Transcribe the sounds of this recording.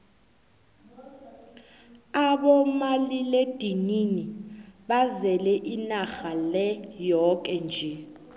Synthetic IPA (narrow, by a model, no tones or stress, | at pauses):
aɓɔmaliled̥ʱininiɓazɛlɛʔinaxalɛjɔk̬ʼɛnd͡ʒʱɛ